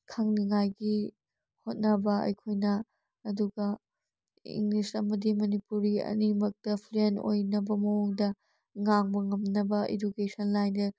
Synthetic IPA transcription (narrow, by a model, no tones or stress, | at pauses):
kʰaŋniŋajɡi | hot̚nɐbɐɐ̰jkʰojnɐː | duɡɐ | ḭŋlisɐmɐdimɐnipuɾiɐ̰nimɐk̚tɐpʰleno̰jnɐbɐmɐwuŋdɐ | ŋaŋbɐŋɐmnɐbɐʔḭdukesɐnlajnɐɾ